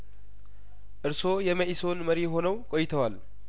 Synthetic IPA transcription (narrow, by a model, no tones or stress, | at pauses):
ʔɨɾso̞jɛməʔiso̞nməɾiɦo̞nəwkʼojɪt̪ʰəwal